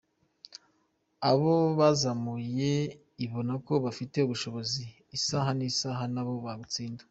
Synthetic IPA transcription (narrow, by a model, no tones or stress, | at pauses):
aβoβazamuje̞ | iβo̞nako̞βafite̞uβuʃo̞βo̞ziː | saɦanisaɦanaβo̞βaβut͡siːndḁ